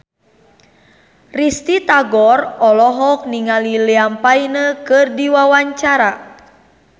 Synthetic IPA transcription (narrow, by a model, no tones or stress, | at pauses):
rist̪it̪aɡɔrɔlɔɦɔk̚niŋaliliampainəkɨrdiwawaɲt͡ʃaɾa